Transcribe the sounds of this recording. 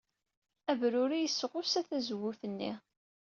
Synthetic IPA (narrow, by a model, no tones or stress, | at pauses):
ævɾʊɾijəsːəʁʊsæθæzəwːuθənːḭ